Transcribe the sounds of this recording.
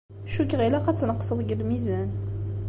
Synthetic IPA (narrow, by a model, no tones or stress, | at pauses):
ʃukːʁilæqæt͡sːnəqːsˤəðˤɡəlmizæn